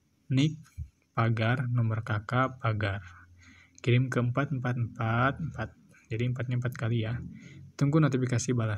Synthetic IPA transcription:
nɪk̚ | paɡarnɔmbərkakapaɡar | kiɾɪmkəəmpat̪̚əmpat̪̚əmpat̪̚əmpat̪̚ | d͡ʒadiəmpat̪̚ɲampat̪̚kalijat̪uŋɡunot̪ifikasibala

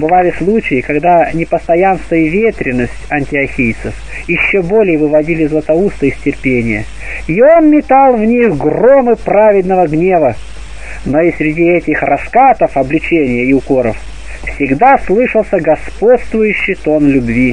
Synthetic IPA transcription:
bɨvalʲɪslˠut͡ɕɪjɪkɐɡd̪anʲɪpəst̪ɐjanst̪vəjəvʲet̪ɾʲɪnːəsʲtʲɐnʲtʲɪɐxʲejt̪səf | jɪɕːobo̞lʲɪjəvɨvɐdʲilʲɪzlˠət̪ɐust̪əɪsʲtʲɪrpʲenʲɪjə̰ | io̞nmʲɪt̪alˠvnʲixɡro̞mɨpɾavʲɪd̪nəvəɡnʲe̞və | no̞ɪsʲɾʲɪdʲiɛtʲɪxrɐskat̪əfɐblʲɪt͡ɕenʲɪjəɪʊko̞ɾəf | fsʲɪɡd̪aslˠɨʂəlˠsʲəɡɐspo̞t̪st̪vʊjʉɕːɪjt̪o̞nlʲʊbvʲi

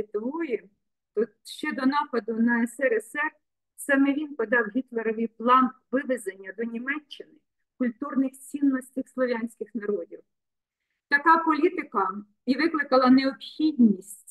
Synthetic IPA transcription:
ɪt̪ɔʋɔjɛ | t̪ɔt̪ʃt͡ʃɛd̪ɔnɑpɐd̪ʊnɐɛsɛɾɛsɛr | sɑmɛʋʲinpɔd̪ɑwɦʲit̪lˠeɾɔʋʲijplˠɑnʋɪʋezenʲːɐd̪ɔnʲimɛt͡ʃːɪnɪ | kʊlʲt̪urnɪxt͡sʲinːɔsʲtʲixslˠɔʋʲanʲsʲkɪxnɐɾɔdʲiw | t̪ɐkɑpɔlʲit̪ɪkɐ | iʋɪklˠɪkɐlˠɐneɔpxʲid̪ʲnʲisʲtʲtʲ

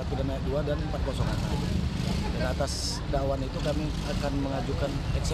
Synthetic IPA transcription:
apidanajak̚duadanəmpat̪̚kɔsɔŋa̰nsadudanat̪as | dawanit̪ukami | akanməŋad͡ʒukanɛks

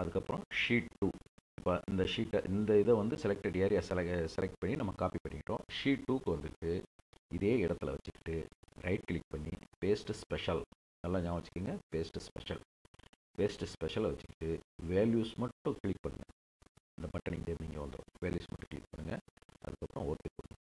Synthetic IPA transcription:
ɐðɯkːɐpːɐɾɔ̃ʂiːʈʈːuːɪpːoːʔɪnd̪ɐʂiːʈːɐʔɪnd̪ɐɪðɐʋɐnd̪ɯsɛlɛk̚ʈːɐɖɪaːɾɪjaːsɛlsɛlɛk̚ʈ̚pɐɳːinɐmːɐkaːpipɐɳːɪkɪʈːõ̰ːʂiːʈːuːkːɯʋɐnd̪ɯʈːɯɪðeːɪɽɐt̪ːɯɪlɐʋɐt͡ʃːɯkːɪ̥ʈːɯɾɐɪʈkɪɭɪk̚pɐɳːḭpeːsʈspɛʂɐl | nɐlːãːɲãːʋɐt͡ʃːɯ̥kːiːŋɡɐpeːsʈspɛ̰ʂɐ̰l | peːsʈspɛʂɐlaʋɐt͡ʃːɯ̥kːɪ̥ʈːɯʋeːljuːsmɐʈːʊ̃kɪɭɪk̚pɐɳːɯ̰ŋɡɐ | ɪnd̪ɐpɐʈːɐɳid͡ʒeniːŋɡɐʋɐnd̪ɾõ̰ʋeːljṵːsmɐʈːʊ̃kɪɭɪ̰k̚pɐɳːɯŋɡɐɐ̰ðɯkːɐpːɯɾõoːɾt̪ːɪkːoːɳɯ̰ŋɡɐ

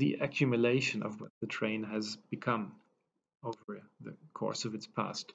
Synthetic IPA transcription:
ðḭʔɨkʰjʉmjɨleɪʃɨ̃nʔʌ̰vwʌt̪̚ðɨtʰɹ̥ẽɪ̃nɨzb̥ɨkʰʌ̃m | oʊvə˞ðɨ̰kʰɔ̰ɹsʌvɨtspʰæ̰st

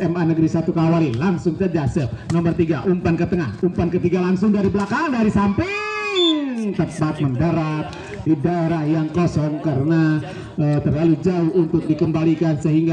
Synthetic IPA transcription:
ɛmanəɡəɾisat̪ukawalɪnlaŋsʊŋt͡ʃad͡ʒasənɔmərt̪iɡaʔumpankət̪əŋahumpankət̪iɡalaŋsʊŋdaɾibəlakaŋŋdaɾisampɪ | ŋŋt̪əpat̪̚məndəɾap̪̚ | didaeɾahjaŋkɔsɔŋkaɾəna | ət̪ərlalud͡ʒaʊhunt̪ʊk̚dikəmbalikansəɦiŋɡa

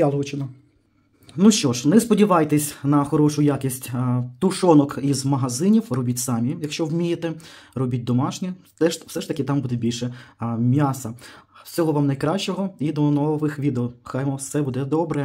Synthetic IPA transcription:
jɑlˠɦʊt͡ʃɪnɔ | nuʃt͡ʃɔʃnɛspɔdʲiʋɑjt̪esʲnɐxɔɾɔʃʊjakʲisʲtʲt̪ʊʃɔnɔkizmɐɦɐzɪnʲiwrɔbʲitʲsɑmʲijɐkʃt͡ʃɔwmʲijet̪ɛrɔbʲit̚ʲd̪ɔmɑʃnʲi | ɛwsɛʃt̪ɐkʲɪt̪ɑmbud̪ɛbʲilʲʃɛmʲjasɐwsʲɔɦɔʋɑmnɐjkɾɑʃt͡ʃːɔɦɔid̪ɔnɔʋɪxʋʲid̪eɔxɑjmɔsɛbud̪ɛd̪ɔbɾɛ

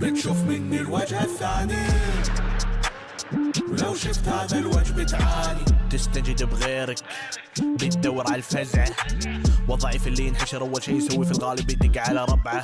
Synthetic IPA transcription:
bɪt̪ʃuːfmɪnːilwad͡ʒhaθːaːni | wlawʃɪft̪haːðalwad͡ʒbɪt̪ʕaːnit̪ɪst̪ad͡ʒɪd̪bɣeːɾak | bɪt̪̚d̪awːɪɾʕallfazʕa | wɨðˤːɑʕiːfɪlːiːɪnħaʃɪɾˤʔawːalʃiːjsawːifilɣaːlɪbɪd̪ɪɡːaʕalaɾˤɑbʕa

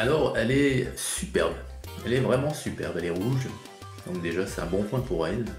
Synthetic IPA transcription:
alɔʁɛlɛsypɛ̰ʁb | ɛlɛvʁɛmɑ̃sypɛʁbɛlɛʁuʒ | d̪̥ɔ̰̃kd̪eʒasɛ̥t̪ɛ̃bɔ̃pwɛ̃puʁɛl

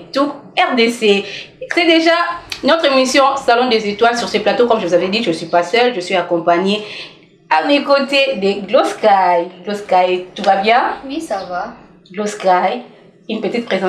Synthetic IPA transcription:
t̪uɛʁd̪esesɛd̪eʒanɔt̪χemisjɔ̃salɔ̃d̪ezet̪walsyʁsəplat̪okɔmʒəvuzavɛd̪iʒənsɥipasœlʒəsɥiakɔ̃paɲe | amekot̪ed̪əɡloskajɡloskajt̪uvabjɛ̃wiava | ɡloskaj | ynpət̪it̪̚pχezɑ̃

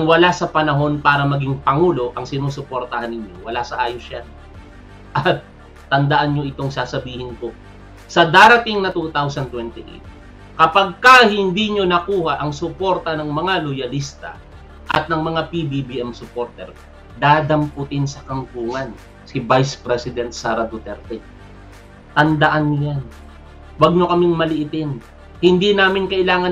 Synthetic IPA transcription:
ɐŋwɐlasɐpɐnɐɦo̞npaːɾɐmɐɡiŋpɐŋuːlo̞ʔɐŋsɪnuːsʊpoɾt̪ɐhanːɪɲo̞wɐlasɐʔaːjosja | ʔɐt̪̚ː | ɐnd̪ɐʔanɲoʔɪt̪o̞ŋsaːsɐbiːhɪnko̞ | sɐd̪aːɾɐt̪ɪŋnɐt̪ut̪awsɐnt̪wɛnt̪ɪʔḛt̪ | kɐpaɡ̚kɐhɪnd̪iɲo̞nɐkuːhɐʔɐŋsʊpo̞ɾt̪ɐnɐŋmɐŋalojɐlist̪ɐ̰ | ʔɐ̰t̪̚nɐŋmɐŋapibibiʔɛmsʊpoɾt̪ɛ̰ɾ | d̪aːd̪ɐmpʊt̪ɪnsɐkɐŋkuːŋɐn | sɪvajspɾɛsɪd̪ɛnt̪̚saːɾɐd̪ot̪ɛɾt̪ɛ | t̪ɐnd̪ɐʔanːojan | wɐɡ̚ɲokɐmɪŋmɐlɪʔɪt̪ɪn | hɪnd̪inaːmɪnkɐʔɪlaːŋɐ

